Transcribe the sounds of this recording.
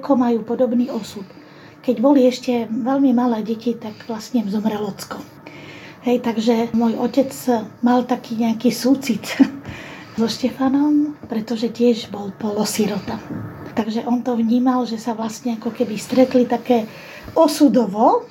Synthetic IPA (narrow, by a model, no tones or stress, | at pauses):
kʰɔmajuːpɔd̪ɔbniːɔsut̪ | kɛɟbɔliɛʃcɛʋɛlmimalɛːɟɛcit̪aɡʋlastɲɛzɔmɾɛlɔt͡skɔ | ɦɛjt̪aɡʒɛmɔjɔcɛd͡zmalt̪akʰiːɲɛakiːsut͡sit͡s | zɔʃcɛfanɔmpɾɛt̪ɔʒɛcɪɛʒbɔlpɔlɔsiɾɔt̪at̪aɡʒɛʔɔnt̪ɔʋɲiːmalʒɛsaʋlasɲɛakɔkɛbist̪ɾɛt̪lit̪akɛː | ɔsud̪ɔʋɔ